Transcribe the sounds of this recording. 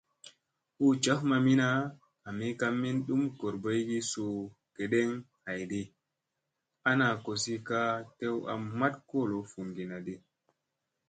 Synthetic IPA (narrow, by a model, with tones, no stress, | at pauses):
u˦t͡ʃa˦fma˨mi˦naː˦˨ | mi˦ka˦mːi˦nɗu˦mko˨ɾbo˦jɡi˦so˨ | ke˨ɗe˦ŋ | ha˨jdi˦ | a˦na˨ko˨si˦ka˦te˦wa̰˨mːa˦tko˦˨lo˨fu˨nɡi˨na˨di˦